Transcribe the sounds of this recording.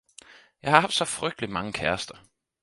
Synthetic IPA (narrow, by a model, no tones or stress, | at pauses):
jɑ̈hɑ̈hɑ̈fd̥sɒ̽fʁœɡ̥d̥əlimɑ̈ŋəkʰæɐsd̥ɐ